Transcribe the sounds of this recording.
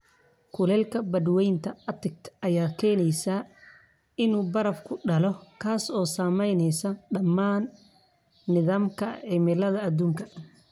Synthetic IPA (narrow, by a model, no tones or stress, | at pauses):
kʰʊlɛːlkʰɐbɐd̪wɛjnt̪ʰɐɐt̪ɪk̚t̪ʰʔɐjaːkʰɛːnɛjsa | ɪnuːbɐɾɐfkʰʊɖɐlɔkʰaːsɔːsaːmɛjnɛjsɐɖɐmːaːnː | ɪðaːmkʰɐ̰ʕɪmɪlɐðɐːd̪uːŋkʰɐ